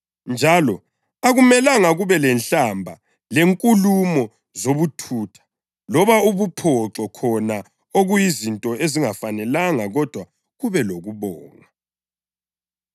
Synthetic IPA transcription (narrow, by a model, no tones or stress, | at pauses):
nd͡ʒʱalɔ | aɣumɛlaŋaɣuβɛlɛnɬambʱa | leŋkʼulumɔ | zoβutʰuːtʰḁ | lɔβauβupʰɔǁɔkʰɔna | oɣujizintʼɔeziŋafanɛlaŋaɣɔd̥ʱwa | ɣuβɛloɣuβɔːŋa